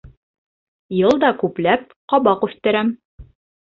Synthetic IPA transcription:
jɤlˠd̪ɑkʉplæp̚ | qɒbɑqʉθt̪ɘ̆ɾæm

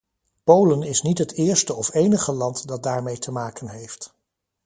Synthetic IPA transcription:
powlənɪsnitɦətɪːɹstəɔfejnəχəlɑntdɑt̚daːɹmejtʰəmaːkənɦejft

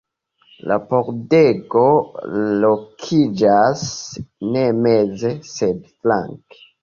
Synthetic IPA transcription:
la̰poɾdeɡo̞lokʰid͡ʒasnemezesedfla̰ŋke̥

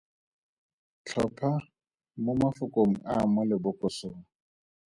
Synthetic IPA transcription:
t͡ɬʰɔpʰa | mʊmafʊkʼoŋ̩amʊlɪbʊkʼɔsoːŋ̩

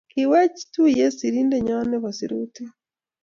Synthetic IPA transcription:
kiweci̥tujesiɾiːndeɲaneβasiɾute

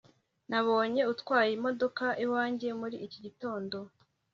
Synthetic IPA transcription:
naβo̞ːɲe̞utkwaːjimo̞do̞kaʔiwaːɲɟe̞muɾiʔːciɟito̞ːndo̞

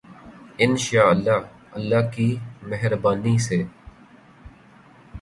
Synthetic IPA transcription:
ɪnʃaːəlːaː | əlːaːkiːmɛɦɾbaːniseː

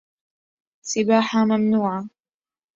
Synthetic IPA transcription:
sɪbaːħamamnuːʕa

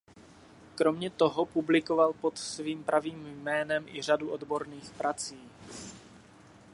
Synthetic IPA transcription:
kɾo̞mɲɛt̪o̞ɦopublɪkovalpo̞t̪sviːmpɾʔaviːmjmɛːnɛmʔɪr̝aduʔod̪bo̞ɾniːxpɾat͡siː

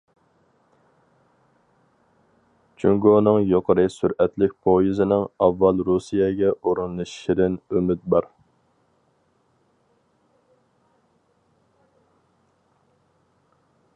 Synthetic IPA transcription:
t͡ʃʰyŋɡonɨŋjoqʰəɾɨsyɾɛt̪lɪk̚ʲpʰojizɪnɪŋɑvːɑlˠɾusijɛɡʲɛoɾɨnlˠɨʃʃɪɾɪnymɪt̪̚bɑɾ

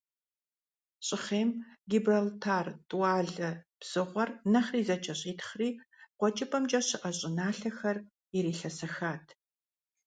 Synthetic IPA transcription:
ɕʼɪχeːmɡʲibrɐltʰaːrtʼwɑːɮɐb̥z̥ɨʁʷɔrnɐχriːzɐt͡ʃʼɐɕʼiːtʰχriːqʷɔt͡ʃʼɐpʰʼɐmt͡ʃʼɐɕɪʔɐɕʼɪnaːɬɐxɐr | iɾeːɬɐsɐxaːtʰ

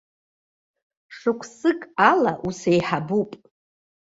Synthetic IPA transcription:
ʂɨkʷʰsɨkʼalaʔusejħabupʼ

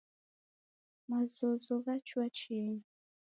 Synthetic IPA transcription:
mazɔzɔɣat͡ʃuat͡ʃɛɲ

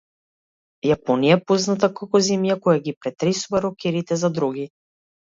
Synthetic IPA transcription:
japɔnijaɛpɔznat̪akakɔzɛmjakɔjaɡipɾɛt̪ɾɛsuvaɾɔkɛɾit̪ɛzad̪ɾuɡi

